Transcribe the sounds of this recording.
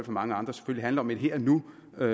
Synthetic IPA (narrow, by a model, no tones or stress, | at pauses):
l̰fɒmɑ̈ŋəɑ̈nd̥ʁɐse̥føl̰liɦændlɐɒ̽med̥ɦeɐ̰nu | ø